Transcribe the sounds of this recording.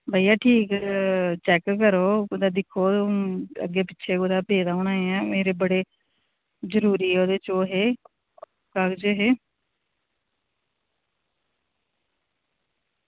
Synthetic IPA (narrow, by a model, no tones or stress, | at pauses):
bʱaːijaːʈʰiːkt͡ʃɛːkːəɾoːd̪ad̪ɪkʰːoːoə̰ɡːeːpɪtːʃʰeːkod̪aːpeːd̪aːoːnãːeɛ̃ːmeːɾeːbəɽeː | zəɾuːɾiːɛːoːd̪eːt͡ʃoːɦeː | kakd͡ʒoɦeː